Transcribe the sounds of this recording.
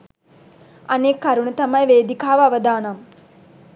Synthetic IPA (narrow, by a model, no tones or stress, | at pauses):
ɐneːkːɐɾuɳət̪ɐmɐjʋeːd̪ikaːʋəɐʋəd̪aːnɐm